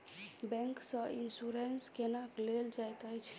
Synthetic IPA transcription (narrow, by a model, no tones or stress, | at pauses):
bɛ̃ŋksə̃insuɾenskenakleld͡ʒajt̪əjt͡ʃʰ